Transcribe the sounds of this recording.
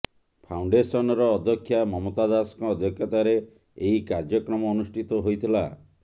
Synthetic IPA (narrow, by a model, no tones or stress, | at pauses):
pʰawɳɖesɔnɔɾɔːd̪ʱjɔkʰːjamɔmot̪ad̪askɔːd̪ʱjɔkʰjɔt̪aɾe | eɦikaɾd͡ʒɔkɾɔmɔːnusʈit̪ɔɦojt̪ʰila